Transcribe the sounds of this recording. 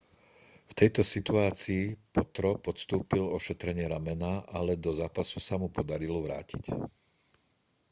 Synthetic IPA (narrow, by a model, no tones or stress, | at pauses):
ft̪ɛjt̪ɔsit̪uaːt͡siːpɔt̪ɾɔpɔt̪st̪uːpilɔʃɛt̪ɾɛɲɪɛɾamɛnaʔalɛd̪ɔzaːpasusamupɔd̪aɾilɔʋɾa̰ːcic